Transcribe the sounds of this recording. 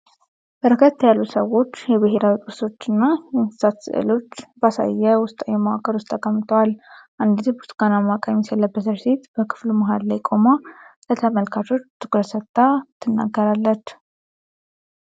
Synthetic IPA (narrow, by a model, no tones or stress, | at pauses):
bəɾəkʰət̪ʰːajalːusəwo̞t͡ʃːjɛβɨɦeɾawit̪ʼuso̞t͡ʃːɨnːajɛnsɨ̥sat̪sɨ̰ʔɨ̰lo̞t͡ʃːbasa̰jːɛwʊst̪ʼəjɛmawakʰəɾwʊst̪ʼakʼːəmːɨt̪ʰəwalʔand̪izbuskanamakʼajmsɛləbːət̪ʰəɾset̪bəkʰɨ̥fluməɦad̪lajkʼo̞malət̪ʰəməlkʰat͡ʃʰo̞t͡ʃːt̪ʰɨ̥kʼɾəsət̪ʼːat̪ʰːɨnːa̰ɡːəɾalːət͡ʃ